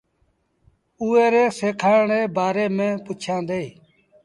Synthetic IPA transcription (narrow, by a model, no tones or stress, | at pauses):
uːeːɾeːseːkʰaːɳeːbaːɾeːmẽːpʊt͡ʃʰãːd̪eːiː